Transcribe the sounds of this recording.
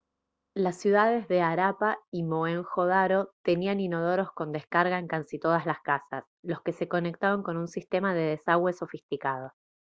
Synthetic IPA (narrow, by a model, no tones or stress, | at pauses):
lasːjuðað̞e̞zðe̞aɾapaimoeŋxoðaɾo̞t̪e̞nianino̞ð̞oɾo̞sko̞nd̪eskaɾɣaeŋkansit̪o̞ð̞azlaskasa̰s | lo̞ske̞se̞ko̞ne̞k̚t̪aβaŋko̞nunsist̪e̞maðeð̞esaɣwe̞so̞fist̪ikað̞o̞